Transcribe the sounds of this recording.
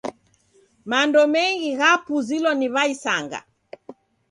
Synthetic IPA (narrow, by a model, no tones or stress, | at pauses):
mandɔmɛŋɡiɣapuzilɔniβaisaŋɡa̰